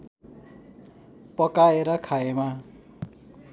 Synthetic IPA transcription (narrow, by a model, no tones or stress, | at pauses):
pʌkaeɾʌkʰaema